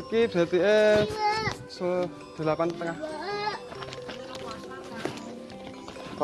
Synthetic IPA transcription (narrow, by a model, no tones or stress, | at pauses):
kib̥a̤t̪iʔe | s | d̪̥ə̤lapant̪əŋah | k